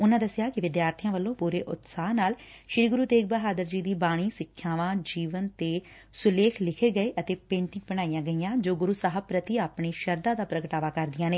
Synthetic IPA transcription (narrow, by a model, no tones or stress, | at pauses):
ʊnãːd̪əsɪjaːkɪʋɪd̪jaːɾt̪ʰijãːʋəlːõːpuːɾeːʔʊ̰t̪saːɦnaːl | ʃɾiːɡʊɾuːd̪eːɡ̚bəɦaːd̪əɾd͡ʒiːd̪iːbaːɽ̃iːsɪkʰːjaːʋãːd͡ʒiːʋənt̪eː | sʊleːkʰlɪkʰeːɡəeːʔət̪eːpẽːɳʈɪ̃ŋɡ̚bəɽ̃aːijãːɡəijãːd͡ʒoːɡʊɾuːsaːɦəbpːɾət̪iaːpɳeːʃəɾd̪ãːd̪aːpɾəɡəʈaːʋaːkəɾd̪ɪjãːneː